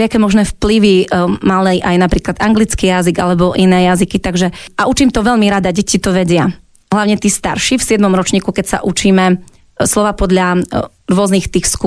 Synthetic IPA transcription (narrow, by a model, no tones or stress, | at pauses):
ɪakɛːmɔʒnɛːfpliʋimalɛjʔajnapɾiːklad̪aŋɡlit͡skiːjaziɡalɛbɔʔinɛːjazikit̪aɡʒɛaut͡ʃiːmt̪ɔʋɛʎmiɾad̪aɟɛcit̪ɔʋɛɟɪa | ɦlaʊɲɛt̪iːst̪a̰ɾʃifsɪɛd̪mɔmɾɔt͡ʃɲiːkukɛcsa̰ʔut͡ʃiːmɛ | slɔʋaːpɔd̪ʎa | ɾʊɔznixt̪iːxsku